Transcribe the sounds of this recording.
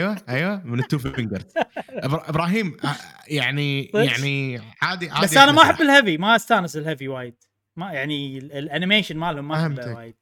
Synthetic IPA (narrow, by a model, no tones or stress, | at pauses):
ʔjwaʔajwamɪnɨt̪ːuːffɪŋɡɑɾt̪ʔɪbɾʔɪbɾɑːɦiːm | jaʕnijaʕniʕaːd̪iʕabasːʔanamaħabːɪlhavimaʔast̪aːnɪsɪlhaviwaːjɪd̪̥ | majaʕniɪlʔanɪmeːʃɪnmaːlhʊmːaħhbːaːjɪd̪̥̚